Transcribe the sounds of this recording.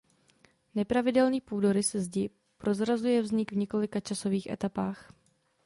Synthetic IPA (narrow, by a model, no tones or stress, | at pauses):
nɛpɾavɪdɛlɲiːpuːdo̞ɾɪsɛzɟɪ | pɾo̞zɾazujɛvzɲɪɡvɲɛko̞lɪkat͡ʃaso̞viːxʔɛ̰t̪apaːx